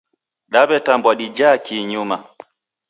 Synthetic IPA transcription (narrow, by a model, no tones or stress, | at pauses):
ɗabɛtambwaɗid͡ʒaːkiɲuma